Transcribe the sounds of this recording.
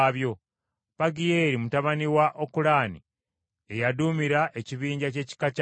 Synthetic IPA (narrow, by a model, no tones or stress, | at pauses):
βjo̞ | paɡijeɾimutaβaniwaʔokulaːnḭ | e̞jadumiɾaʔe̞ciβiːɲɟace̞ːci̥kac